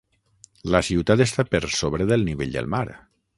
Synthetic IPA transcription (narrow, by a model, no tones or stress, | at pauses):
ləsiwt̪at̪est̪apəɾsoβɾəðəlˠniβeʎd̪ə̰lˠmaɾ